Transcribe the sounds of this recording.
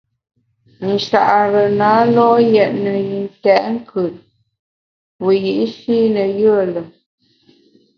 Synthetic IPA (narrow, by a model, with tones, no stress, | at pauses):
n̩˨ʃa˨ʔɾə˨naː˨˦lɔ˦jɛ˨ʔnə˨i˨n˦tɛ˨˦ʔŋ̩˦kʰə˨t̚ | wu˨ji˨ʔʃiː˦nə˨jə˦ə˦˨lə˨